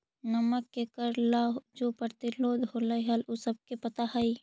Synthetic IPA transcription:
nɐməkːekəɾlad͡ʒoːpəɾt̪ɪloːd̪ʱɦoːlaiɦɐlosəb̚kepɐt̪aɦɐi

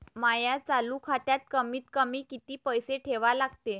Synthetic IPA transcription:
majat͡salukʰat̪jat̪̚kəmiːt̪kəmiːkit̪iːpəjseʈʰeʋalaɡt̪e

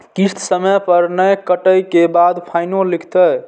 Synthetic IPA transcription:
kist̪ʰsəməpəɾnəjkəʈəjkebad̪pʰajnolikʰt̪əj

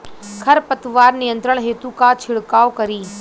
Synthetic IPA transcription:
kʰɐɾpɐt̪ʋaːɾnijə̃nt̪ɾəɽ̃ɦeːt̪ũkat͡ʃʰɪɽkaːokɐɾiː

